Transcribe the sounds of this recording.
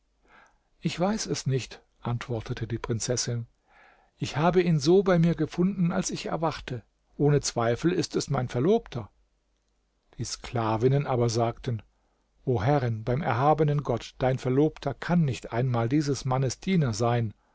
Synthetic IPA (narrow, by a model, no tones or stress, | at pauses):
ʔɪçv̥aɪsɛsnɪçt | ʔantv̥ɔɐtʰətʰədiːpʁ̥ɪnt͡sɛsɪn | ʔɪçhaːbəiːnzoːbaɪmiːɐɡəfʊndn̩a̰lsɪçɛ̰ɐvaχtʰə | ʔoːnət͡sv̥aɪfl̩ɪstɛsmaɪnfɛɐloːptʰɐ | d̥iːskl̥aːvɪnənʔaːbɐzaːktʰən | ʔoːɦɛʁənbaɪmʔɛɐɦaːbənənɡɔtd̥aɪnfɛɐloːptʰɐkʰanːɪçtʔa̰ɪnmaːldiːzəsmanəsd̥iːnɐzaɪn